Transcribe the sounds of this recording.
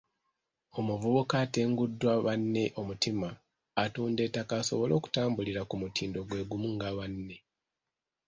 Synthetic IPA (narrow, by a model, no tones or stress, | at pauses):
o̞muvuβukaːteːŋɡudːwaβanːe̞ʔo̞mutimaː | tuːnde̞takaso̞̰βo̞lo̞ːku̥taːmbuliɾakumutʰiːndo̞ɡwe̞ːɡumuŋɡaβanːe̞